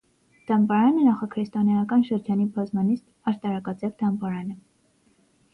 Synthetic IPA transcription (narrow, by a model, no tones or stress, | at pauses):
d̪̥ɑmbɑɾɑnənɑχɑkʰɾɛst̪ɑnɑjɑkɑnʃəɾd͡ʒɑnibɑzmɑnist̪ | ɑɾt̪ɑɾɑkɑt͡sɛvd̪ɑmbɑɾɑnə